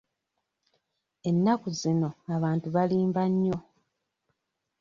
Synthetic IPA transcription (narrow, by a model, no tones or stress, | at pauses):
e̞nːakuzino̞aβaːntuβaliːmbaɲːo̞